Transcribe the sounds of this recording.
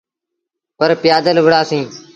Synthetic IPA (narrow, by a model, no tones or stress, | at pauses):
pəɾpɪjaːd̪əlʋəɽaːsĩː